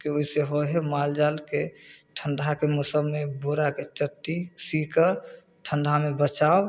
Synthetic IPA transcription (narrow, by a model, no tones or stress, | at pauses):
kioiseɦoɦemald͡ʒalkeʈʰənɳɖʱakemosəbmeboɾaket͡ʃəʈːisikəɾ | ʈʰəɳɖʱamebət͡ʃao